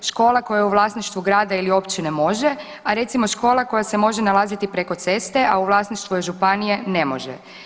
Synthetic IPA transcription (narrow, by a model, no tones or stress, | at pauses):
ʃko̞ːlˠako̞jaeuʋlˠaːsniʃt̪ʋuɡɾaːd̪ailio̞pt͡ɕinemo̞ʒe | aɾe̞t̪simo̞ʃko̞ːlˠako̞jasemo̞ʒenalazit̪ipɾeko̞t̪se̞st̪e̞ʔauʋlˠaːsniʃt̪ʋueʒupanije̞ne̞mo̞̰ʒḛ